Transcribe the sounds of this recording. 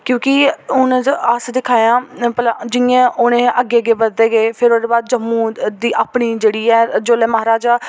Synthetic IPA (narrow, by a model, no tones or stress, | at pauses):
kjõːkɪʊnəsd̪ɪkʰaːjãːpəlaːd͡ʒɪjãːʔonẽːʔəɡeːəɡeːbəɾd̪eːɡeːpʰɪɾoːd̪eːbaːd̪̚d͡ʒəmːũːd̪iːʔaːpɳiːd͡ʒeːɽiːɛːd͡ʒoːleːməɦaːɾaːd͡ʒaː